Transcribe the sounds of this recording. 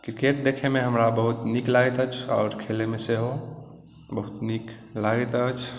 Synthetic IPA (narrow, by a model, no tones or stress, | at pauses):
kɾikeʈ̚d̪ekʰemeɦəmɾabəɦut̪niklaɡɛt̪ət͡ʃʰɔ̰ːɾkʰelemeseɦo | bəɦut̪nik | laɡət̪ət͡ʃʰ